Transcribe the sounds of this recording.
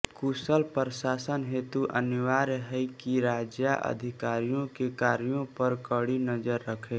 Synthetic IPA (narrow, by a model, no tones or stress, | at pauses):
kusəlpɾsaːsənɦeːt̪uʔənɪʋaːɾɦɛikiɾaːd͡ʒjaʔə̰d̪ʱɪkaːɾijõkekaːɾijõpəɾkəɽinəd͡ʒəɾːəkʰe